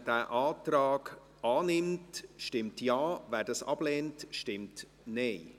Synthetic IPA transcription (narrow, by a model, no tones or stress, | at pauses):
d̥æːʔaːtraːɡ | aːnɪmtʃtɪmtjaːvɛːɾdɑsɑ̰b̥leːntʃtɪmt | neɪ